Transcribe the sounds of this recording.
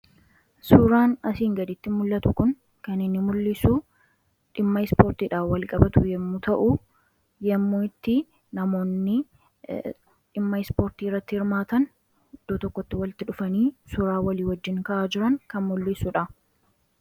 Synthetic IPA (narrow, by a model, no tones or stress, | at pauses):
sʊɾaːnɐsiːŋɡɐd̪ɪt̪ːɪmʊlːɐt̪ʊkʊn | kɐnɪnːɪmʊlːɪsu | ᶑɪmːɐɪspoːɾt̪iːᶑaːfwɐlkʼɐbɐt̪ʊjɛmːuːt̪ɐʔʊ | jɛmːuːɪt̪ːɪ | nɐmo̞ːnːɪ | ᶑɪmːɐɪspo̞ːɾt̪iːrːɐt̪ːɪhɪɾmaːt̪ɐn | d̪̥oːt̪ɔkːɔt̪ːɪwɐlɪt̪ːɪᶑʊfɐniːsʊɾaːwɐliːwɐd͡ʒːɪŋkɐʔaːd͡ʒɪɾɐŋkɐnmʊlːɪsʊᶑɐ